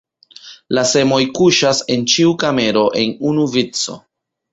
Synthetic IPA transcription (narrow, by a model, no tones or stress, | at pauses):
lase̞mo̞jkuʃase̞nt͡ʃiukame̞ɾo̞ʔe̞nunuvit͡so̞̰